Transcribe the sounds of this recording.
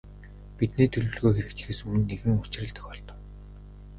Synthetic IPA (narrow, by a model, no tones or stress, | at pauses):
pit̪niːt̪ʰɵɮwɵ̆ɮɣoːxeɾɘ̆kt͡ɕ̆xeːsɵmɘ̆nːeɣɘ̆ŋʊt͡ɕrə̆ɮt̪œ̥xʲɔɮt̪ɞ̆w